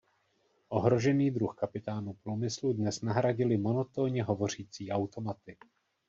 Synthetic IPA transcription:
ʔo̞ɦɾo̞ʒɛniːd̪ɾuxkapɪt̪aːnupɾuːmɪsludnɛsnaɦɾaɟɪlɪmo̞no̞t̪oːɲɛɦo̞vo̞r̝iːt͡siːʔawt̪o̞mat̪ɪ

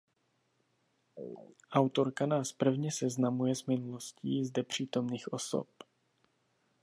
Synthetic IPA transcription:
ʔawt̪o̞ɾkanaːspr̩vɲɛsɛznamujɛzmɪnulo̞sciːzdɛpr̝̥iːt̪o̞mniːxʔo̞so̰p

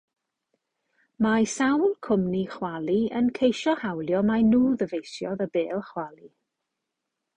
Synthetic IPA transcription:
majsawlˠkʰʊmniχwalˠiənkʰejʃɔhawlˠjɔmanuːðəvejsjɔðəbeːlˠχwalˠi

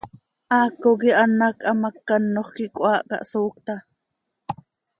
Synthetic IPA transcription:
ʔɑːkːok̬iʔɑnɑkʔɑmɑkːɑnːoχkikʷʔɑːʔkɑ̰ʔsoːk̚t̪ɑ

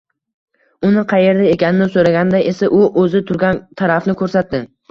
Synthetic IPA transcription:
ʊnɪqʰɑje̞ɾd̪aekʲanɪnɪsoɾaɡʲand̪aʔe̞saʔʊʔɵzɪt̪ʰʊɾɡʲant̪ʰaɾafnɪkʰɵɾsat̪̚dːɪ

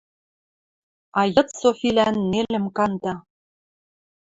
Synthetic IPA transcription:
ɑjɤ̆t̪sofilænːelɘ̆mkɑnt̪ɑ

